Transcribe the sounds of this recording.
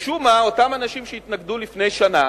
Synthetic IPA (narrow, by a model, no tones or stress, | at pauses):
ʃumao̞tamanaʃimʃeit̪naɡdulifne̞jʃana